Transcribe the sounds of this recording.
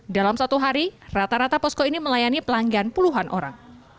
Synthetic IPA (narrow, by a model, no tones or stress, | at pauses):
dalamsat̪uɦaɾirat̪aɾat̪apɔskoiniməlajanipəlaŋɡanpuluɦanʔo̰ɾa̰ŋ